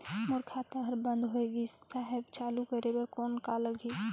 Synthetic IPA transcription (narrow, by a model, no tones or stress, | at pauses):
mʊɾkʰaːt̪ãbʱɐɾbɐ̃nd̪ɦoeːɡi | saɦɛbt͡ʃaːlukɐɾebɐɾkoːnkaləɡʱiː